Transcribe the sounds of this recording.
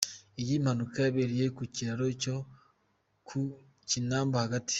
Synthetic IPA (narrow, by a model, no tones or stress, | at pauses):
ejimhanukajaβeɾijekuciɾaɾoco | kʰu | cinaːmbohaɡati̥